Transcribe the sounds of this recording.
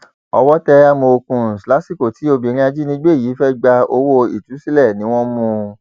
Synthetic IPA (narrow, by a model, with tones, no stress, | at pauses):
ɔ˧wɔ˦tɛ˧a˦˧mõ˧o˧kũ˧˨sla˦si˦˨ko˨ti˨˦o˧bi˨ɾ̃ĩ˦a˧d͡ʒi˦nĩ˧˦ɡ͡be˦˨jiː˨˦fɛ˦ɡ͡ba˧o˧wo˦ḭ˦˨tu˨˦si˦lɛ˦˨nĩ˨˦w̃ɔ̃˦mũ˧